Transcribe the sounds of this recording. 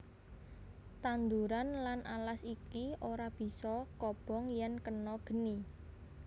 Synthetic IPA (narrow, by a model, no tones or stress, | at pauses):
t̪and̪uɾanlanʔalasikiʔoɾab̥i̤sɔkɔb̥ɔ̤ŋjɛnkənɔɡ̥ə̤ni